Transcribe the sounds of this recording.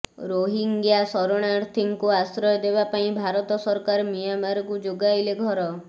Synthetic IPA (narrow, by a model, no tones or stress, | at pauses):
ɾoɦiŋɡjasɔɾoɽ̃aɾt̪ʰiŋkuasɾɔjɔd̪ebapaĩbʱaɾɔt̪ɔsɔɾkaɾmijamaɾɔkud͡ʒoɡaileɡʱɔɾɔ